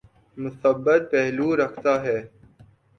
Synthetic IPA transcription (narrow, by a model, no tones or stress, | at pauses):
mʊsəbːət̪̚pɛɦluːɾɐkʰt̪aːɦɛː